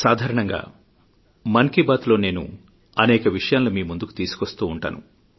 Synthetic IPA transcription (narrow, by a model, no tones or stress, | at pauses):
saːd̪ʱaːɾɐɳɐŋɡa̰ː | mɐnkibaːt̪lo̞ːne̞ːnṵ | ɐnɛːkɐʋiʂɐjaːnlomiːmund̪uku̥t̪iːsu̥kost̪uːɳʈa̰ːnṵ